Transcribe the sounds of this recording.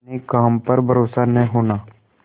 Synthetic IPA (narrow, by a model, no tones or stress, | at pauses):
nikaːmpəɾbʱəɾoːsanəɦĩɦoːnaː